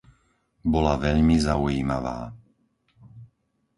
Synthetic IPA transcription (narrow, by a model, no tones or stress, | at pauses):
bɔlaʋɛʎmizaujiːmaʋa̰ː